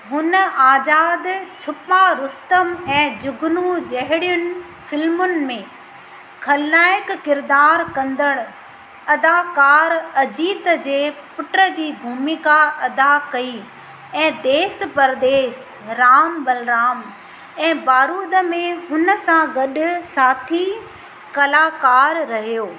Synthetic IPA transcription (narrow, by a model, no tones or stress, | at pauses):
ɦʊnəaːd͡ʑaːd̪t͡ɕʰʊpaɾʊst̪əmɛ̃ːd͡ʑʊɡnud͡ʑɐɦɪɽijʊnɪ̆ | fɪlmʊnɪ̆mẽ | kʰɐlːaːjɪkːɪɾd̪aːɾkɐ̃nd̪əɽ̃ | ɐd̪aːkaːɾɐd͡ʑiːt̪d͡ʑeːpʊʈəd͡ʑiːbʱuːmɪkaɐd̪akɐi | ɛ̃ːd̪eːspɐɾd̪eːʃ | ɾaːmbɐlɾaːm | ɛ̃ːbaːɾuːd̪ə̆mẽɦʊnəsãɡɐɗʊ̆saːt̪ʰi | kɐlaːkaːɾːɐɦijoː